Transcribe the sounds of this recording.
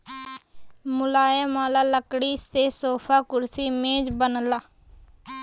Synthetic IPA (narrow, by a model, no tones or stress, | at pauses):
mʊlaːjamaːlaːləkɽiːseːsoːpʰaːkʊɾsiːmẽːd͡ʒbənəlaː